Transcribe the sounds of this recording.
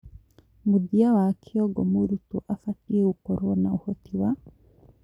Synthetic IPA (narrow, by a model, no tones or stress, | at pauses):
mudiawakʰiɔɡɔmuɾutuʔafatiɛukɔɾɔnauhɔtiwa